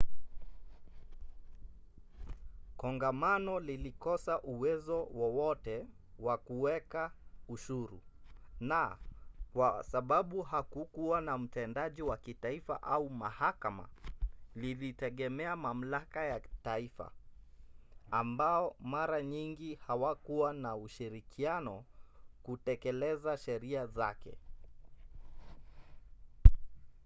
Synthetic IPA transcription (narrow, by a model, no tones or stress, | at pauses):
kɔŋɡamanɔlilikɔsaʔuwɛzɔwɔwɔtɛ | wakuwɛkauʃuɾṵnakwasaɓaɓuhakukuwanam̩tɛndaʄiwakitaifa̰ʔaumahakama̰lilitɛɠɛmɛamam̩lakajataifa̰ | mbaɔmaɾaɲiŋɡihawakuwanauʃiɾikʰianɔkutɛkɛlɛzaʃɛɾiazakɛ̰